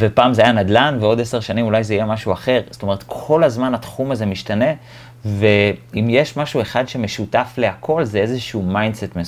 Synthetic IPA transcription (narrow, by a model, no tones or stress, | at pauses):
vepaːmzeajanad̪lanveo̞deseʁʃanimulajzeijemaʃuaχe̞ʁzt̪o̞me̞ʁ̞et̪kʰo̞lazmanat̪χumaze̞miʃtane̞ | ve̞imjeʃmaʃue̞χadʃe̞me̞ʃutafle̞akʰo̞lzeezeʃuumajndsetme